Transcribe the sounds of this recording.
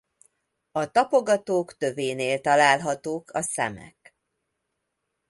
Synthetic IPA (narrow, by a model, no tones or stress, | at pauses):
ɒt̪ɒpo̞ɡɒt̪oːkt̪ø̞veːneːlt̪ɒlaːlɦɒt̪oːkʰɒsɛ̰mɛ̰k